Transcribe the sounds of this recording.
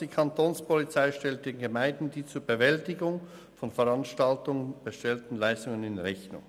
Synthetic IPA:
d̥iːkʰɑntʰoːnspʰɔlit͡saɪʃtɛlt̚d̥eːnɡəmaɪndn̩diːt͡suːɐbəvɛltɪɡʊŋ | fɔnfɛʁɑnʃtaltʊŋb̥əʃtɛltn̩laɪstʊŋənɪnʁɛçnʊ̰ŋ

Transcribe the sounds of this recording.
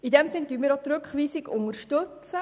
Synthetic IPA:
idɛmsɪnd̥yːnmiːɾot̪ɾʉkχʋiːsɪɡʊŋəɾʃtøt͡sə

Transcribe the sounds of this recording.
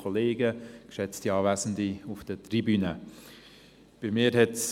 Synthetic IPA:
oleːɡəkʃɛt͡stiɑːvæzn̩diʊfd̥ətribyːnə | b̥ɪmɪːɾɦɛts

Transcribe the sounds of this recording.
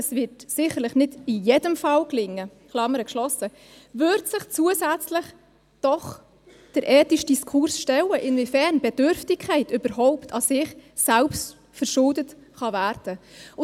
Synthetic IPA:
əsvɪtsɪχəɾləχnɪdɪjɛdəmfɑlklɪŋːə | χlɑməɾəkʃlɔsə | vʏɾtsɪχt͡suəsæt͡slɪχ | d̥ɔχ | d̥əɾʔɛːtiʃd̥iskʰʊɾsʃtɛləʔɪnvifɛɾnb̥ɛd̥ʏɾftɪkʰːæɪtʏb̥əɾɦɔʊptʰɑsɪχsælpst | fəɾʃʊldətχɑvæːɾd̥ə

